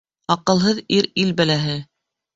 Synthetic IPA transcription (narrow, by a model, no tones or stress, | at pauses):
ɑqɤ̆lˠɦɤðiɾilbælæɦɘ